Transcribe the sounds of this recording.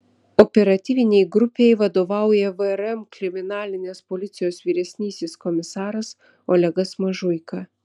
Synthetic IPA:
ɔpʲɛɾɐt̪ʲiːʋʲɪnʲɛɪɡɾʊpʲejʋɐd̪oːʋɑˑʊjɛʋəɛɾɛmkɾʲɪmʲɪnɑːlʲɪnʲeːspolʲɪt̪sʲɪjoːsʋʲiːɾʲɛsʲnʲiːsʲeskɔmʲɪsɑːɾɐs | ɔlʲɛɡɐsmɐʒʊjkɐ

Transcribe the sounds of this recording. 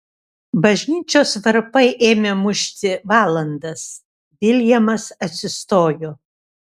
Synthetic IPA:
bɐʒʲnʲiːt͡ʃʲoːsʋɐɾpɐɪʔeːmʲemʊʃʲt̪ʲɪʋɑːlˠɐnd̪ɐs | dʲɪlʲjɛmɐsɐt̪ʲsʲɪst̪oːjo

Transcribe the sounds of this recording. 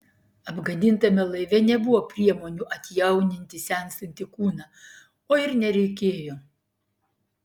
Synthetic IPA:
ɐbɡɐd̪ʲɪnt̪ɐmʲɛlˠɐɪʋʲɛnʲɛbʊʋoːpʲɾʲiɛmoːnʲuːʔɐt̪ʲjɛʊnʲɪnʲt̪ʲɪsʲɛˑnsɐnʲt̪ʲɪkuːnɑː | oːɪɾnʲɛɾʲɛɪkʲeːjoː

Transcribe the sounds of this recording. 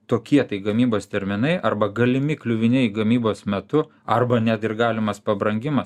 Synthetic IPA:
t̪oːkʲiɛt̪ɐɪɡɐmʲiːboːst̪ʲɛɾʲmʲɪnɐɪʔɐɾbɐɡɐlʲɪmʲɪklʲʊʋʲɪnʲɛɪɡɐmʲiːboːsmʲɛt̪ʊ | ɐrbɐnʲɛt̪ɪrɡɑːlʲɪmɐspɐbɾɐŋʲɡʲɪmɐs

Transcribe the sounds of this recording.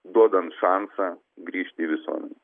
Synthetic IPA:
d̪uɔd̪ɐnt̪ʃɑːnsɐ | ɡɾʲiːʃʲt̪ʲɪiːʋʲɪsuɔmʲɛ̰nʲɛ

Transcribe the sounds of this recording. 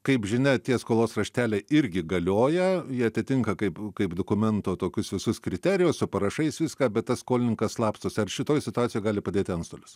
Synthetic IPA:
kɐɪpʒʲɪnʲɛt̪ʲiɛskoːlˠoːsrɐʃʲt̪ʲæːlʲɛɪɪɾʲɡʲɪɡɐlʲoːjɛjiɛɐt̪ʲɪt̪ʲɪŋkɐkɐɪpkɐɪpd̪oːkʊmʲɛnt̪oːt̪oːkʲʊsʋʲɪsʊskɾʲɪt̪ʲɛːɾʲɪjʊssʊpɐɾɐʃɐɪsʋʲɪskɑːbʲɛt̪t̪ɐsskoːlʲɪnʲɪŋkɐsslˠɑːpst̪oːsʲɐrʃʲɪt̪oːjsʲɪt̪ʊɑːsʲɪjoːjɡɑːlʲɪpɐd̪ʲeːt̪ʲɪɐnst̪oːlʲʊs

